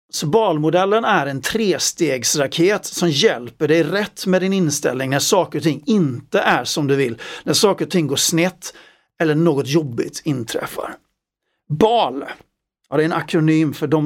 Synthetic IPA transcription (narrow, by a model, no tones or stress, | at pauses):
sɔbɑːlmʊd̪ɛlːənæɾɛnt̪ʰɾeːst̪eːɡsɾakʰeːt̪sɔmjɛlpəɖɛjɾɛt̪ːmɛd̪ɪnɪnst̪ɛ̰lnɪŋnæʂɑːkəɾɔt̪ʰɪŋːɪnt̪əʔæʂɔmd̪ɵvɪlːnæʂɑːkəɾɔt̪ʰɪŋːɡoːʂnɛt̪ː | ɛlːəɳoːɡɔt̪jɔbːɪ̰ɡt̪ʰɪnt̪ʰɾɛ̰fːa̰ɾ | bɑːl | jɑd̪ɛɛnakɾʊnyːmfœɖɔm